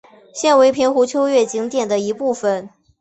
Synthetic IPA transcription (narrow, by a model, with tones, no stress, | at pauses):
ɕjɛ˥˩nwe˧˥ɪpʰi˧˥ŋxu˧˥t͡ɕʰjo˥ʊɥɛ˥˩t͡ɕi˧˥ŋt̪jɛ˨˩nd̪ə˦i˧˥pu˥˩fə˩n